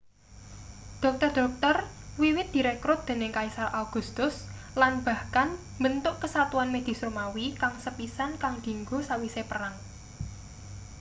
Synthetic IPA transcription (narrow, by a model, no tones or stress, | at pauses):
d̪̥ɔ̤k̚t̪ərd̪̥ɔ̤k̚t̪ər | wiwɪt̪̚d̪̥i̤ɾekɾʊt̪̚d̪̥e̤nɪŋkaisaɾʔaɡ̥ṳst̪ʊslanb̥a̤hkan | mbənt̪ʊʔkəsat̪uanmed̪̥i̤somawikaŋsəpisankaŋd̪̥i̤ŋɡosawisepəraŋ